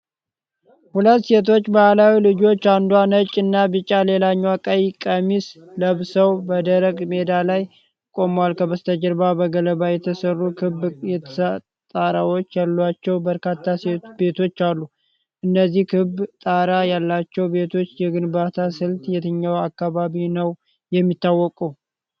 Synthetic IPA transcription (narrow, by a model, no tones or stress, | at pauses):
hulət̪ːse̞t̪̬ʰo̞t͡ʃːbahlawilɨd͡ʒo̞t͡ʃːand̪wanət͡ʃʼːɨnːabɨt͡ʃʼːalelaɲːwakʼəjkʼəmis | ləβsəwbəd̪əɾəɡme̞d̪alaj | kʼo̞mwalkʰəbəst̪ʰəd͡ʒəɾbabəɡələbajɛt̪ʰəsərːukʰɨbjɛt̪ʰə | t̪ʼaɾawo̞t͡ʃːjalːat͡ʃːɛwbəɾkat̪ʰːaset̪be̞t̪ʰo̞t͡ʃːalːu | ʔɨnːəzːihkʰɨbt̪ʼaɾajalːat͡ʃːɛwbe̞t̪ʰo̞t͡ʃːjɛɡɨnbat̪ʰasɨlt̪jɛt̪ʰɨɲːawakːaβaβinəw | jɛmːit̪ːawːɔkʼuw